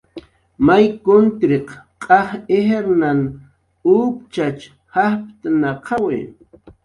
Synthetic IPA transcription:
majkʊnt̪ɾeqqʼɑχeheɾnan | up̚t͡ʃat͡ʃ | hahp̚t̪anaqʰɑwɪ̰

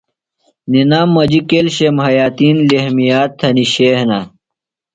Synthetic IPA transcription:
ninaːmːɐd͡ʑikelɕemhɐjaːt̪iːnlehmijaːt̪ʰːɐniɕeːhna

